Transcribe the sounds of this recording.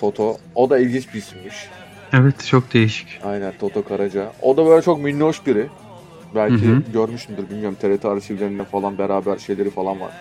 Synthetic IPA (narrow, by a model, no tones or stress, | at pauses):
t̪ʰo̞t̪ʰood̪ailʲɟint͡ʃbisimmiʃ | ɛvɛt̪t͡ʃʰok̚d̪ejiʃi̥cajnænt̪ʰo̞t̪ʰo̞kʰaɾad͡ʒaod̪abø̞ːlʲɛt͡ʃʰo̞kminːuoʃbiɾɪ | bælʲcʰiɟøɾmyʃt̪ʰymd̪ɯɾbilʲmʲijoɾumt̪ʰeɾet̪ʰiaɾsivlʲeind̪ænfalˠanbeɾaːbæɾʃe̞jlʲe̞ɾifalˠanva̰ɾ̥